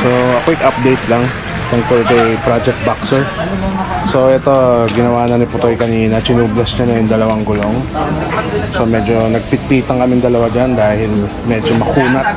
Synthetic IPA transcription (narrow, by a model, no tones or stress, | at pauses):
soʔɐkoʔɪkʔɐp̚d̪ɛjt̪laŋ | t̪ʊŋk̪olɛt̪oʔɛjpɾad͡ʒɛk̚t̪̚baksɛɹ | so̞ʔɛt̪o̞ɡɪnɐwaːnɐnɪpʊt̪ojkɐniːnɐt͡ʃɪnuːblɐsɲanɐjʊŋd̪ɐlɐwaŋɡʊlo̞ŋ | somɛd͡ʒo̞nɐɡ̚pɪt̪̚piːt̪ɐŋkɐmɪŋd̪ɐlɐwad͡ʒand̪aːhɪl | mɛːd͡ʒomɐkuːnɐt̪̚